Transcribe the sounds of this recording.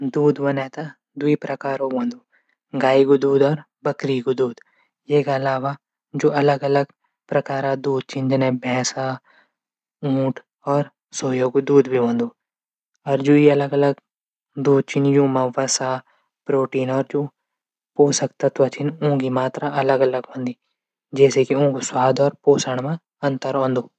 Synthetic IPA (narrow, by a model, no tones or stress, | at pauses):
d̪uːd̪ʋɐnɛːt̪a | d̪uipɾɐkaːɾõʋõːnd̪uː | ɡaːiɡud̪uːd̪ɔːɾ | bɐkɾiɡud̪uːd̪ | jeːkaɐlaːʋa | d͡ʒoːɐləɡɐləɡ | pɾɐkaːɾad̪uːd̪̚t͡ʃʰɪnd͡ʒɐnɛ̃bʱɛ̃ːsa | ũːʈʰ | ɔːɾ | soːjoːɡd̪uːd̪bʱiʋõːnd̪uː | ɔːɾd͡ʒoːiɐləɡɐləɡ | d̪uːd̪̚t͡ʃʰɪnjũːmãʋəsaː | pɾoːʈiːnɔːɾd͡ʒoː | poːsəkt̪at̪ɐt͡ʃʰɪnõːɡimaːt̪ɾaʔɐləɡɐləɡɦõːnd̪iː | d͡ʒɛːsekiõːkoswaːd̪ɔːɾpoːsəɽ̃mã | ɐ̃nt̪əɾɦõːnd̪oː